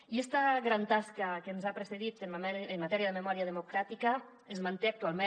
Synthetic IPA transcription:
iɛst̪aɣɾant̪askakenzapɾeseðit̪enamɛenmat̪ɛɾiəðememɔɾiað̞emukɾat̪ika | ezmant̪eak̚t̪ualˠme

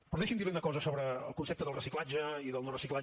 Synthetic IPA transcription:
pəɾðeʃind̪iβenəkɔzəsoβɾə̰ːlˠkunsep̚t̪əðəlˠrəsiklad͡ʒəiðəlˠnorəsikla

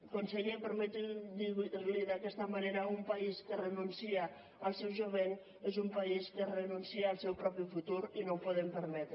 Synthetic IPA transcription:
konseʎepəɾmɛt̪d̪iɣliðakɛst̪ɐmaneɾaumpaiskərənunsiaː | lˠsɛwʒuβ̞en | ezumpaiskərənunsiaːlˠsɛwpɾɔpifut̪uɾinowpoðempəɾmɛt̪ɾ

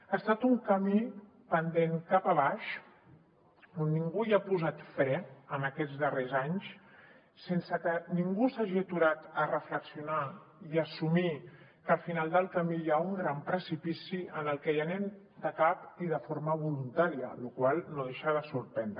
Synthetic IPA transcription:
əst̪at̪uŋkəmi | pənd̪eŋkapəβ̞aʃ | onːiŋɡuiapuzat̪fɾɛənəkɛd͡zdərezaɲs | sensəkəniŋɡusaʒit̪uɾat̪ərəfləksiuna | iəsumi | kəlfinalˠd̪əlˠkəmijauŋɡɾampɾəsipisiənəlˠkɛjənɛn | d̪əkapiðəfoɾməβ̞ulunt̪aɾiə̰lukwalˠnoð̞eʃəðəsuɾpɛnd̪ɾ

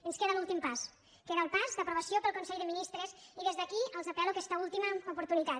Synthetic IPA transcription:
ənskeðəlulˠt̪impas | keðəlˠpazd̪əpɾuβ̞əsjopəlˠkunsɛʎðəminist̪ɾəziðezðəkiəlˠzapɛluakɛst̪əulˠt̪iməupuɾt̪unit̪a

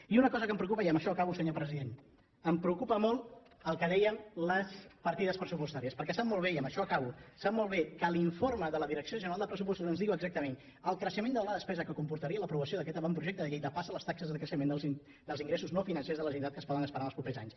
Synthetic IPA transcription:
iunəkɔzəkəmpɾəukupəjəməʃɔəkaβusəɲopɾəziðen | əmpɾəukupəmolˠt̪ | əlˠkəðɛjəmləspəɾt̪iðəspɾəsupust̪aɾiəspəɾkɛsap̚molˠβ̞eiəmbəʃɔəkaβusap̚molˠβekəliɱforməðələðiɾəksioʒənəɾalˠd̪əpɾəs̬upɔst̪uzənzðiɣuəɡzak̚t̪əmen | əlˠkɾəʃəmẽnd̪ələðəspɛzəkəkumpuɾt̪əɾiələpɾuβəsioðək̬ɛt̪əβampɾuʒɛk̚t̪əðəʎejðəpasələst̪aksəzðəkɾəʃəmend̪əlˠzi | d̪əlziŋɡɾesuznofinənsezðələʒunt̪at̪̚kəspɔðənəspəɾanəlˠspɾupezaɲs

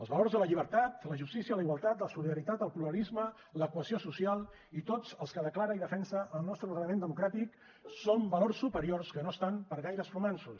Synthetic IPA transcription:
əlˠzβəlorzðələʎiβəɾt̪at̪ləʒust̪isiələiɣwalˠt̪at̪ləsuliðəɾit̪at̪əlˠpluɾəlizmə | ləkuəsiosusialˠ | it̪od͡zəlˠskəðəklaɾəiðəfɛnsəʔəlˠnɔst̪ɾərəəmend̪əmukɾat̪ik | sombəlorsːupəɾiorskənoəst̪ampəɾɣajɾəsfɾumɛnsus

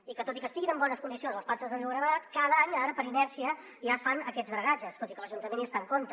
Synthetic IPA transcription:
ikət̪ot̪ikəst̪iɣinəmbɔnəskund̪isionzləspasəzðəmewɣɾəðat̪kaðəaɲaɾəpəɾinɛɾsiə | ʒasfanəkɛtzðɾəɣad͡ʒəst̪ot̪ikələʒunt̪əmẽniəst̪aŋkont̪ə

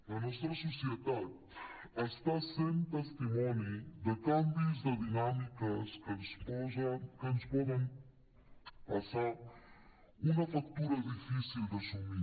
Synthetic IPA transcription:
ɐnɔʃt̪ɾɐsusiet̪að | ɛʃt̪asẽj̃t̪ɐʃt̪imɔ̃njud̪ɨkɐ̃mbuzd̪ɐðinamikɐʃkɨnuʃpɔzɐ̃kɨnuʃpɔðẽj̃ | pɐsaɾ | umɐfakt̪uɾɐðifisilˠd̪ɐʃumi

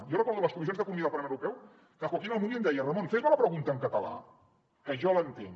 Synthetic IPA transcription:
jɔrəkɔɾðuləskumizionzðəkunumiðlpaɾlmewɾupɛw | kəkolˠkinəlˠmumend̪ɛjərəmonfezβoləpɾəɣunt̪əŋkət̪əla̰ | əʒɔlənt̪ḛŋ

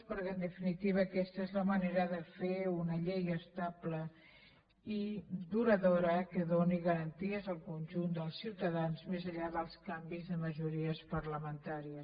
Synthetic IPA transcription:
pəɾkeənd̪əfinit̪iβ̞əːkɛst̪əezləməneɾəðəfeunəʎejəst̪ablə | iðuɾəðoɾəkəðoniɣəɾənt̪iəzəlˠkunʲʒund̪əlˠsiwt̪əðanzmezəʎaðəlˠskambizðəməʒuɾiəspəɾləmənt̪aɾiəs

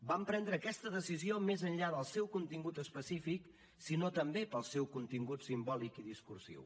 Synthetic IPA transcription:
bampɾɛnd̪ɾəːkɛst̪əðəsiziomezənʎaðəlˠsɛwkunt̪iŋɡut̪əspəsifik | sinot̪əmbepəlˠsɛwkunt̪iŋɡut̪simbɔlikiðiskursḭw

